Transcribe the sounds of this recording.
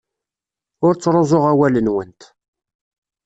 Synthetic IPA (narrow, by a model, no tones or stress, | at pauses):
ʊɾt͡sːɾˤozˤoʁawælənwənt̪